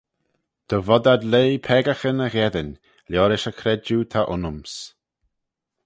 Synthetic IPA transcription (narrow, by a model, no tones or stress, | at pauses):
d̪̥ɔvɔd̪ad̪leːpʰɛːɡaxənəɣɛðən | ljɔːɾɪʃəkʰɾɛd͡ʒut̪ʰaʔʊnʊms